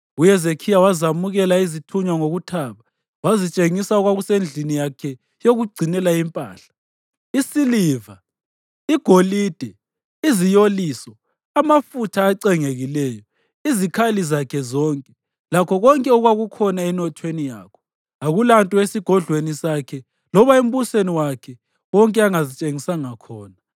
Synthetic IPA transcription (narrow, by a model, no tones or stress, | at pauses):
ujɛzekʰijawazamuɣɛlaizitʰuɲwaŋoɣutʰaβa | wazit͡ʃʼeŋisaɔɣwaɣusend͡ɮʱinijakʰɛ | joɣuɡ͡ǀʱinɛlaimpʼa̰ːɬḁ | isiliːva | iɡ̥ʱolid̥ʱɛ | izijoliːsɔ | amafutʰaːǀɛŋeɣilɛːjɔ | izikʰalizakʰɛzɔŋkʼɛ | lakʰɔɣɔŋkʼɛɔɣwaɣukʰɔnaɛnɔtʰwenija̰ːkʰɔ̥ | aɣulantʼɔesiɡ̥ʱɔɮʱwenisakʰɛ | lɔβaem̩βuseniwakʰɛ | wɔŋkʼɛaŋazit͡ʃʼeŋisaŋakʰɔːna